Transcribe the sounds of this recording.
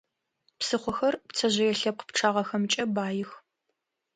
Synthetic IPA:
psɨχʷɔxɐrpt͡sʰɐʑɐjɛɬɐp̚qəpʈ͡ʂʰaːʁɐxɐmt͡ʃʼɐbaːjɪx

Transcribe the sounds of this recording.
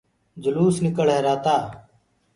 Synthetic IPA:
d͡ʒəluːsnɪkəɭɦeːɾaːt̪aː

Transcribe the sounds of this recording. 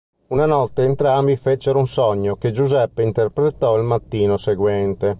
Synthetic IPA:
unanɔt̪ːeːnt̪ɾambifet͡ʃeɾunsɔɲːoked͡ʒuzɛpːeint̪erpɾet̪ːɔilmat̪ːiːnoseɡwɛnt̪e

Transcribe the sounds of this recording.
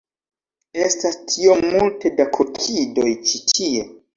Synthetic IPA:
e̞stastʰio̞multe̞dakʰokʰido̞jt͡ʃitie

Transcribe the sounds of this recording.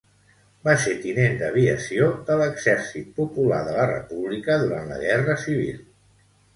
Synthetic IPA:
baset̪inend̪əβ̞iəsiodələɡz̥ɛɾsit̪̚pupula̰ðələrə̰puβlikəðuɾant̪lə̰ɣ̞ɛrəsiβ̞ḭlˠ

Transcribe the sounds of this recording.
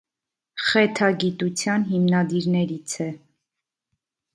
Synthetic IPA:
χɛt̪ʰɑɡit̪ut͡sʰjɑnɦimnɑd̪iɾnɛɾit͡sʰɛ

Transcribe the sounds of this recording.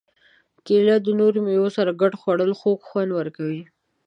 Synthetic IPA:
kelad̪ənoɾmewosaɾaɡaʈxwaɽəlxokxwand̪wəɾkawi

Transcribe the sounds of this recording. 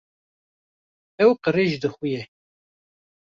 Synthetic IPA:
ɛwqəreːʒd̪ɨxujɛ

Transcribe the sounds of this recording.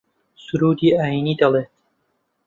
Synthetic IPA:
sʊɾuːd̪iːaːjiniːd̪ɐlˠeːt̪

